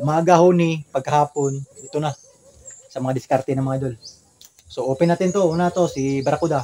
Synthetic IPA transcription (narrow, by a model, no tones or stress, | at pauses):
ʔʊmaːɡɐhonipɐɡ̚kɐhaːpo̞nit̪ona | sɐmɐŋad̪ɪskaɾt̪ɛnɐŋmɐŋaʔd̪ol | soʔoːpɛnat̪ɪnt̪oʔuːnat̪o̞sibɐɾakud̪a